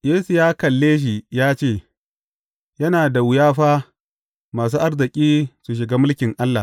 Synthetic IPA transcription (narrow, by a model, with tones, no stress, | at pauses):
jeː˦su˨jaː˦kɐ˨lːeː˦ʃ̬i˨jaː˦t͡ʃeː˦˨ | jɐ˦naː˨da˨wʊ˨jaː˦ɸaː˦ | maː˨s̬uː˦ʔa˦rzɪ˨kʲʼiː˦su˨ʃ̬ɪ˨ɡaː˦mʊ˦lkʲɪ˨ŋʔa˦lːa˨